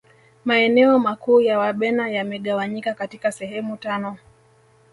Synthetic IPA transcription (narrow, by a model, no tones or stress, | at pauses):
maɛnɛɔmakuːjawaɓɛnajamɛɠawaɲikakatikasɛhɛmutanɔ